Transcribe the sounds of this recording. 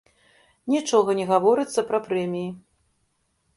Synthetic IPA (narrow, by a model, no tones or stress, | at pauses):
nʲit͡ʂɔɣɐnʲɛɣavɔɾɨt̪sːɐpɾɐpɾɛmʲiji